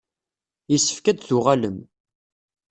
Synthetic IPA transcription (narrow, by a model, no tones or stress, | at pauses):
isːə̥fkæd̪θʊʁaləm